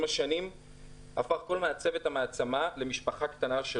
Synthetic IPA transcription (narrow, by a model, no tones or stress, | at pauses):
maʃanim | hafaχko̞lmeat͡sevet̪ameat͡samale̞miʃpaχakt̪anaʃe